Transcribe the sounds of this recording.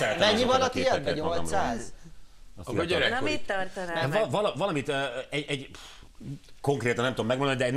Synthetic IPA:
ɛɾɛt̪mɛɲːivɒnɒt̪iɛɛɲoolssaːz | ɒ̰ɟøɾɛmit̪ːɒrt̪ɔnɛvvɒlɒvɒlɒmit̪øɛɟɛɟ | ko̞ŋkreːt̪ɒnɛmt̪ud̪omɛɡmod̪onid̪ɛn

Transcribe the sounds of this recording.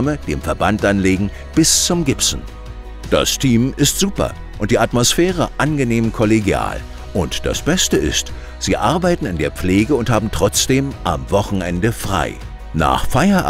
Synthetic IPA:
məd̥eːmfɛɐbantʔanleːɡŋ̩ | b̥ɪst͡sʊmɡɪpsn̩ | d̥a̰stʰiːmɪstz̥uːpɐ̰ | ʔʊnt̚d̥iːatmosfɛːʁ̞əʔanɡəneːmkʰɔleɡja̰ːl | ʔʊntd̥a̰sb̥ɛstəɪ̰st | z̥iːʔaɐbaɪtn̩ɪndeːɐp͡fleːɡəʊnthaːbm̩tʁ̥ɔt͡sd̥eːmʔa̰mvɔχn̩ʔɛ̰ndəfʁ̥a̰ɪ | na̰ːχfaɪɐʔ

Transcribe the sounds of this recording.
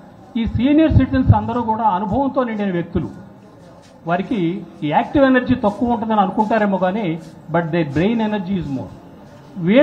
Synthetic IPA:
iːsiːnijɐɾsiʈizɐnsɐnd̪ɐɾuːkuːɽaːɐnubʱɐʋɐmt̪o̞ːniɳɖɐnɐʋjek̚t̪ulṵ | ʋɐɾikiaːk̚ʈiʋenɐɾd͡ʒiːt̪ɐkːuʋuɳʈ̬und̪ɐniɐnukuɳʈaːɾemoːɡaːneːbɐʈ̚d̪ebɾejnenɐɾd͡ʒiːzmo̰ːɾ | ʋiː

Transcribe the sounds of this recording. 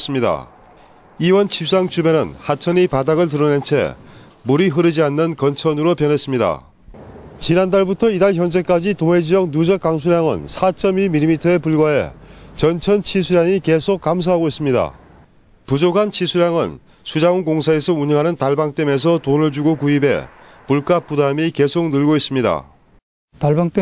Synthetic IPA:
s͈ɯmɲida̰ | iwʌnt͡ɕʰip̚s͈aŋt͡ɕʰube̞nɯnhat͡ɕʰʌnipadaɣɯɭt̬ɯɾʌne̞nt͡ɕʰe̞̰ | muɾiɦɯɾid͡ʑianːɯnkʌnt͡ɕʰʌnɯɾopjʌnɦe̞s͈ɯmɲida̰ | t͡ɕinandaɭbutʰʌidaɭçjʌnd͡ʑe̞k͈ad͡ʑitoŋed͡ʑijʌk̚nud͡ʑʌk͈aŋs̬ʰuɾjaŋɯ̰nsʰat͡ɕ͈ʌmimilːimitʰʌe̞puɭɡwae̞̰t͡ɕʌnt͡ɕʰʌnt͡ɕʰisʰuɾjaŋike̞sʰok̚k͈ams̬ʰaɦaɡois͈ɯmɲida̰ | pud͡ʑoɡant͡ɕʰisʰuɾjaŋɯ̰n | sʰud͡ʑaunkoŋsʰae̞sʰʌuɲʌŋɦanɯntaɭbaŋt͈eme̞s̬ʰʌtonɯɭd͡ʑuɡokuibe̞̰ | puɭk͈ap͈udamike̞sʰok̚nɯɭɡois͈ɯmɲida̰ | t̪aɭbaŋt͈

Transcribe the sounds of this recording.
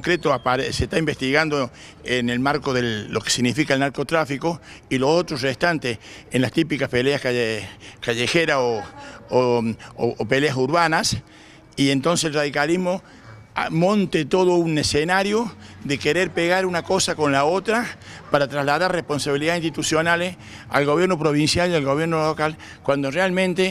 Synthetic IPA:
ŋkɾet̪oapaɾeseht̪aimbest̪iɣand̪o | enelmaɾko̞ðelːoke̥siɣnifikaelnaɾkot̪ɾafiko̞ | ilo̞so̞t̪ɾosrest̪ant̪es | enlast̪ipikaspeleaskaekaʝexeɾasoooope̞leasuɾβanas | ient̪o̞ns̬eselraðikalizmo̞ | mõ̞nt̪et̪o̞ðounesenaɾjoðekeɾeɾpeɣaɾunako̞sako̞nlao̞t̪ɾapaɾat̪ɾazlaðaɾrehpo̞nsaβiliðainst̪it̪usjonales | a̰lɣo̞β̞je̞ɾno̞pɾoβ̞insjalialɣo̞β̞je̞ɾnolokal | kwand̪orealmẽnt̪e

